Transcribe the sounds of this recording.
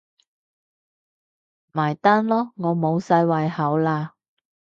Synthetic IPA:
maː˨˩jt̪aː˥nlɔː˥ŋɔː˨˧mo˨˧wsɐ˧jwɐ˨jhɐ˨˥wlaː˧

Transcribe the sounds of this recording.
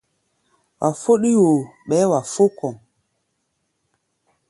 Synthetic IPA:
wʔa˨fo˦ɗi˦jwo˨ɓɛ˨˦wa˨fo˦kɔ˨ŋ

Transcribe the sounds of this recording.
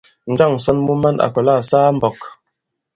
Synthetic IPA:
n̩˦d͡ʒa˦˨ŋ˨sɔ˦nmu˦ma˦na̰˨kɔ˨la˦˨saː˦m̩˨bɔ˨k

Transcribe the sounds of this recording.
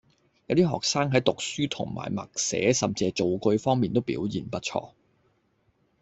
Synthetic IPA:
jɐ˨˧wt̪iː˥ɦɔː˨k̚saː˥ŋɦɐ˨˥jt̪ʊ˨k̚syː˥t̪ʰʊ̰˨˩ŋma̰ː˨˩jmɐ̰˨˩k̚sɛ̰ː˨˥sɐ˨˩mt͡siː˨˧t͡so˨wkɵ˧ɥfɔː˥ŋmiː˨nt̪o˥wpḭː˨˥wjḭː˨˩npɐ˥t̚t͡ʃʰɔ̰ː˧

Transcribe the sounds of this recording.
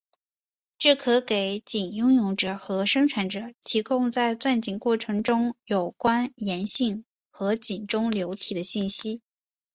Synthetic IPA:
ʈ͡ʂɤ˥˩kʰɤ˧˥ke˧˩ɪt͡ɕi˨˩njʊ˥ŋjʊ˧˥˩ŋʈ͡ʂɤ˨˩xɤ˧˥ʂɤ˥ŋʈ͡ʂʰa˧˥nʈ͡ʂɤ˨˩t̪ʰi˧˥kʊ˥˧ŋt͡sa˥˧ɪt͡swa˥˩nt͡ɕi˨˩nkwɔ˥˩ʈ͡ʂʰɤ˧˥ŋʈ͡ʂʊ˥ŋjo˨˩ʊkwa˥njɛ˧˥nɕi˥˩ŋ | xɤ˧˥t͡ɕi˨˩nʈ͡ʂʊ˥ŋljo˧˥ʊt̪ʰi˨˩d̪ə˦ɕi˥˩nɕi˥

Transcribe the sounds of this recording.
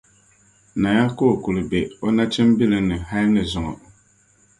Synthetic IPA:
na˨ja˦koː˦˨ku˨lɨ˨be˨o˦na˦t͡ʃɨ˦m˦bi˦lɨ˦nɨ˨ha˦lnɨ˨zʊ˨ŋɔ̰˨

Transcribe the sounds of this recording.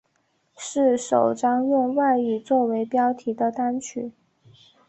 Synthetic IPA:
ʂɻ̩˥˩ʂo˨˩ʊʈ͡ʂɑ˥ŋjʊ˥˧ŋwa˥˧ɪi˥˩t͡swɔ˥˩we˧˥ɪpjɑ˥ʊt̪ʰi˧˥d̪ə˧t̪a˥nt͡ɕʰy̰˨˩˦

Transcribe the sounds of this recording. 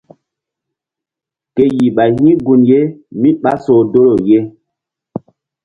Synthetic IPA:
ke˦ji˨ɓa˨hĩ˦ɡu˨nje˦mĩ˦ɓa˦so˨do˦lo˨je˦

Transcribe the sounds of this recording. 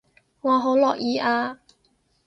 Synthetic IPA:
ŋɔː˨˧ɦo˨˥wlɔː˨k̚jiː˧ʔaː˧

